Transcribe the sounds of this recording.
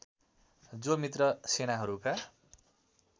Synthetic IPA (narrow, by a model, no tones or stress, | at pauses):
d͡zomit̪rʌsenaɦʌɾuka